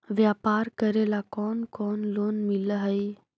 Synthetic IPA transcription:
ʋjapaːɾkəɾelakɔːnkɔnloːnmiləɦəj

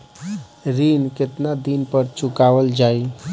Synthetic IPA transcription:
ɾinket̪nad̪inpəɾt͡ʃukaʋəld͡ʒai

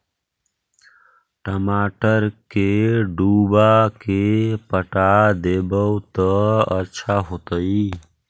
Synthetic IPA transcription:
ʈəmaʈəɾkeɖubakepəʈad̪ebəwt̪əətːʃʰaɦot̪əi

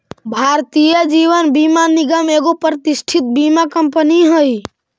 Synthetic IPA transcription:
bʱaɾt̪ijəd͡ʒiʋənbimaniɡəmeɡopɾət̪isʈʰit̪̚bimakəmpəniɦəj

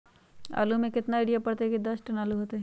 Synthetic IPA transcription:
a̰ːlumẽkɪt̪naɪːɽijapɐɽt̪ekid̪ɐsʈɐnaːluɦoːt̪eɦɛ̃

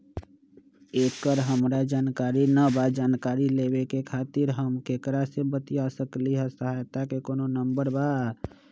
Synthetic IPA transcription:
ekəɾɦəmɾad͡ʒaːnkaɾinəbad͡ʒaːnkaɾilebekekʰat̪ɪɾɦəmkekɾasebət̪ijasəkliɦɛsəɦajt̪akekononəmbəɾba

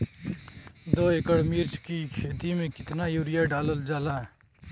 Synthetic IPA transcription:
d̪oːeːkəɽmiɾt͡ʃkikʰeːt̪imẽkɪt̪najuːɾɪjaɖaːləld͡ʒaːlaɦɛ

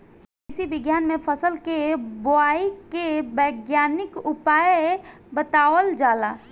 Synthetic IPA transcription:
ɪsibɪɡjaːnmẽpʰəsəlkeboaːikebəɪɡjaːnɪkʊpaːj | bət̪aːʋəld͡ʒaːlaː

